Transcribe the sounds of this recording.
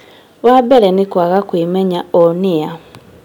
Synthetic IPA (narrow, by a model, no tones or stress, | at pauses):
wabeɾenikwaɣakwimeɲaonija